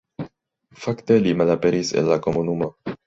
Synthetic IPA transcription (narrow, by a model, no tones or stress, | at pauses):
fakt̪e̞limalapeɾisḛnlakomunumo